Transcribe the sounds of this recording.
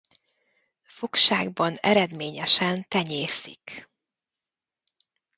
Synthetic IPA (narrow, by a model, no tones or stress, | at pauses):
fo̞kʃaːɡbɒnɛ̰ɾɛd̪meːɲɛʃɛnt̪ɛɲeːsḭk